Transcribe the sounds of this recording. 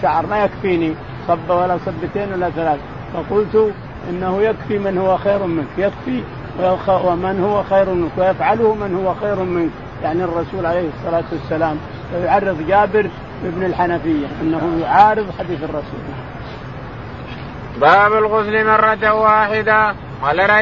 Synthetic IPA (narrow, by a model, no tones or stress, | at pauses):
ʃaʕɑɾˤmajakfiːni | sˤɑbːawalːasˤɑbːɪt̪eːnwalːaθalaːθa | fɑqʊlt̪u | ʔɪ̰nːahujakfimɪnhʊwːaxejɾmɪnkjakfi | wwɪmɪnhʊwːaxeːɾmɪnkwɪjafʕalʊhmɪnhʊwːaxeːɾmɪnk | jaʕnirˤːɑsuːlʕalejhɨsˤːɑlaːt̪wasːalaːm | fajʕɑrˤːɨðˤd͡ʒaːbɪɾ | bɪbnɪlħanafɪjːaʔɪnːahujʕaːɾɨðˤħad̪iːθɑrˤːɑsṵːl | baːbɪlɣʊzlimɑrˤːɑt̪awaːħɪd̪a | walaɾ